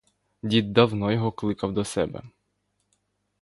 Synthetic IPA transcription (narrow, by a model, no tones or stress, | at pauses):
dʲid̪̚d̪ɐwnɔjɔɦɔklˠɪkɐwd̪ɔsɛ̰bɛ̰